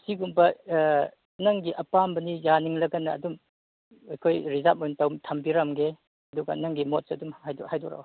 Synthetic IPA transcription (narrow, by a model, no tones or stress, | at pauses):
siɡumpɐ | naŋɡiʔɐpambɐnijaniŋlɐɡɐnɐːdum | ejkʰojɾizat̚mojntawmtʰɐmbiɾamɡe | ɐduɡɐ̰naŋɡimot̚sɐɐdumajdɔhajdɔɾa̰w